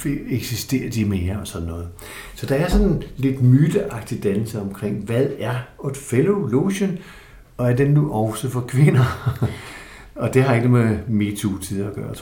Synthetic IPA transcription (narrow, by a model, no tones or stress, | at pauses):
feeɡ̥sisd̥e̝̰ːɐd̥imeːɐɒ̽sɒ̽nːɔ̽ːð̞̩ˠ | sɒ̽d̥ɑ̈æɐsɒ̽nle̝d̥myd̥əʔɑ̈ɡ̥̚d̥id̥ænl̩səɒ̽mkʰʁeŋ̰ʋæðˠæɐod̥feloloɕon | ɒ̽æɐd̥enːuʔɒʊsəfɒ̽kʰʋe̝nɐ | ɒ̽d̥e̝ɦɑ̈e̝ɡ̥əmeme̝t͡sʰut͡sʰiðˠɐɡ̥ɶːɐt͡sʰ